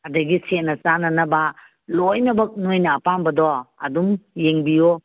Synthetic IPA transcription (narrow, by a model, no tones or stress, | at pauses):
ɐdɐɡisenɐt͡ʃanɐnɐba | lojnɐbɐk̚nojnɐːpambɐdɔɐdumjeŋbijo